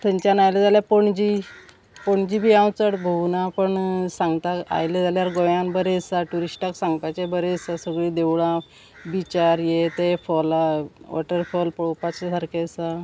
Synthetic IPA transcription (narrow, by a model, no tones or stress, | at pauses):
t̪ʰəɲt͡ɕjanajləd͡zaljapoɳd͡ʑi | poɳd͡ʑibʱiːãwt͡səɽbʱənapəɳsaŋɡt̪aka̰jled͡zaljaɾɡɔjãnbəɾesaʈuɾiɕʈaksãŋɡt̪at͡ɕebəɾesasəɡɭiːd̪ewɭã | bit͡ɕaɾjet̪efɔlaʋɔ̰ʈəɾfɔlpɔɭopat͡ɕesʰəɾkesa